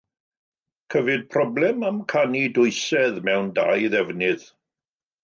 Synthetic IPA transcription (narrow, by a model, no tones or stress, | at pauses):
kʰəvɨd̚pʰrɔblɛmamkʰanidʊɨsɛðmɛwnda̰jðɛvnɪð̥